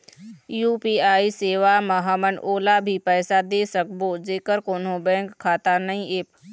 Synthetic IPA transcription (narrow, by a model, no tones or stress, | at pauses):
juːpiːaːiseːʋamɐɦamənʔoːlabʱipɛːsad̪eːsəkboːd͡ʒeːkəɾkoːnõbɛ̃ːkʰːaːt̪anɐɦĩʔeːp